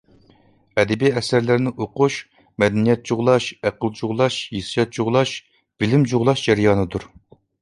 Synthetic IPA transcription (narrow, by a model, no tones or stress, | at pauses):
ɛd̪ɛbiɛsæɾlɪɾnɪʔoqʊʃ | mɛd̪ɛnijɛt̪̚t͡ʃʰuʁlˠɑʃæqəlˠd͡ʒuʁlˠɑʃjesɨ̥jɑt̪̚t͡ʃuʁlˠɑʃ | b̥ɪlɪmd͡ʒuʁlˠɑʃd͡ʒɛɾjɑːnɨd̪uɾ